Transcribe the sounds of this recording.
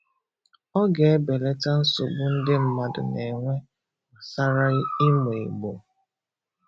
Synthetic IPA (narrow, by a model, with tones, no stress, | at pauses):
ɔ˦ɡe˨e˦be˨le˦ta˦n̩˦sʊ˨bʊ˦n̩˦dɪ˦m̩˦ma˨dʊ̰˨ne˨ŋʷe˦ | a˨sa˦ɾa˦ɣi˦m˨e˨ɡ͡bo˨